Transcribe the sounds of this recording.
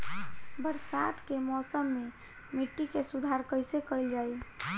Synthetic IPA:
bəɾsat̪kemɔsəmːe | miʈːikesud̪ʱaɾkəjsekəɪld͡ʒaj

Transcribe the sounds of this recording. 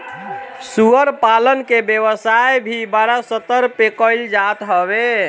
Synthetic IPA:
suəɾpalənkebjeβəsajbʱibaɾasət̪ːəɾpekəɪld͡ʒat̪ɦəbe

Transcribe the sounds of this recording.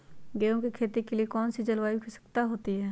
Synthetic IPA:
ɡeːõkikʰeːt̪ikeliekɔːnsid͡ʒɐlwaːikisɐ̥kt̪aɦoːt̪iɦɛː

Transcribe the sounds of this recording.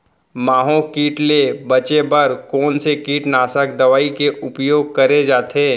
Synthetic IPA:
maːɦõkiːʈlebɐt͡ʃebɐɾkɔːnsekiːʈnaːsəkd̪ɐʋaːikeʔʊpjoːɡ̚kɐɾed͡ʒaːt̪ʰeː

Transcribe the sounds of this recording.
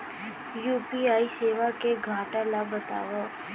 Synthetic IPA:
juːpiaːiseːʋakeɡʱaːʈalaɡbət̪a̰ːʋo

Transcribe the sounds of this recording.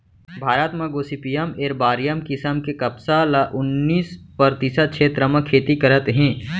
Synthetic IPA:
bʱaːɾət̪mɐɡoːsipijəmeːɾbaːɾjəmkɪsəmkekɐpsalaʔʊnːiːspɐɾt̪ɪsət̪̚kʃʰeːt̪ɾəmɐ̃kʰeːt̪ikɐɾət̪ɦɛ̃ː

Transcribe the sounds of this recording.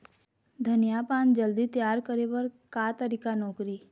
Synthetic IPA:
d̪ʱənjapaːnd͡ʒəld̪it̪jaːɾkəɾeʋəɾkat̪əɾikanɔːkɾi

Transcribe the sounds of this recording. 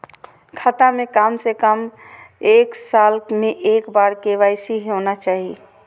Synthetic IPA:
kʰat̪amekamsekəmeksalkmeʔekbaɾkeʋajsiɦenat͡ʃaɦi

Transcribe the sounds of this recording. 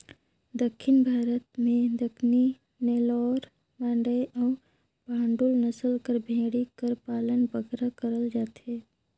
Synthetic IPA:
d̪əkʰːɪnbʱaːɾət̪mẽd̪əkʰni | neːlɔːɾ | mãːɳɖəeʔɔːɾ | bʱãːɳɖulnɐsəlkəɾbʱẽːɽikəɾpaːlənbəɡɾakəɾəld͡ʒaːt̪ɦeː

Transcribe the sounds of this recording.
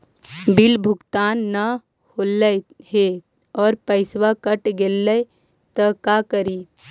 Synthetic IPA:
bilbʱʊɡt̪aːnːə | holəɦe | ɔːɾpəɪswakəʈɡelːə | t̪əkakəɾi

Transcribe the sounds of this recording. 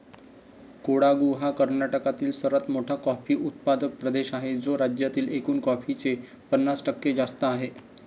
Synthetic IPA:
koɽaɡuɦakəɾnaʈəkat̪iːlsəɾət̪moʈʰakɔfiːʔut̪̚pad̪ək̚pɾəd̪eɕaɦed͡zoɾad͡ʑjat̪iːlekuːnkɔfit͡se | pənːasʈəkːed͡zast̪əːɦe

